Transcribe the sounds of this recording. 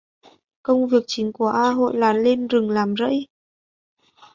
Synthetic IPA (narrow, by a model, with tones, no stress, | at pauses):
kə˧wŋ͡mvi˨˩ək̚t͡ɕï˨˦ŋ̟ku˧˩əʔaː˧ɦo̰˧˨jlaː˨˦nle˧nzɨ˨˩ŋlaː˨˩mzə̰˧˥j